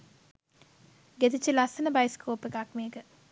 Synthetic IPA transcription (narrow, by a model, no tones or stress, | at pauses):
ɡet̪it͡ʃːəlasənəbajskoːpekakmeːkə